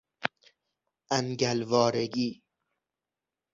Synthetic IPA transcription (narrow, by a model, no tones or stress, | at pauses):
ʔænɟælvɒːɾeɡiː